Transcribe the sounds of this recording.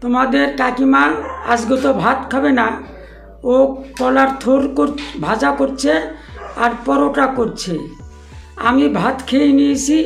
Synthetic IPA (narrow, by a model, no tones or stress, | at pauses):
t̪omad̪eɾkakimana̰sɡɔt̪ɔbʱat̪kʰɔbena | okɔlaɾt̪ʰoɾkoɾbʱad͡ʒakoɾt͡ʃʰeaɾpɔɾoʈakoɾt͡ʃʰe | a̰mibʱat̪kʰejnisi